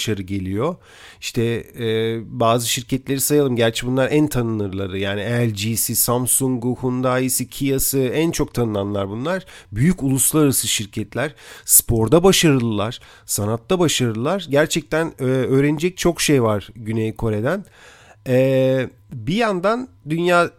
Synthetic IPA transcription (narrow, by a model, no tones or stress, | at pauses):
ʃaɾɯɟe̞lʲijo | iʃt̪ʰɛɛbaːzɯʃiɾcʰɛt̪lʲe̞ɾisajalˠɯmɟæɾt͡ʃʰɛbunlˠaɾænt̪ʰanɯnɯɾlˠaɾɯjaːniɛlʲd͡ʒisisamsuŋɡɡuhund̪aːjisicʰijasɯænt͡ʃʰo̞k̚t̪ʰanɯnˠanlˠaɾbunlˠaɾ̥byjyculˠuslˠaɾaɾasɯʃiɾcʰɛt̪lʲæɾ̥spʰo̞ɾd̪abaʃaɾɯlˠɯlˠaɾ̥ | sanat̪ːabaʃaɾɯlˠɯlˠaɾɟæɾt͡ʃʰɛc̚t̪ʰænɛøːɾenid͡ʒɛc̚t͡ʃʰo̞kʃejvaɾɟynejikʰo̞ɾe̞d̪æn | ɛː | bijand̪and̪ynjaː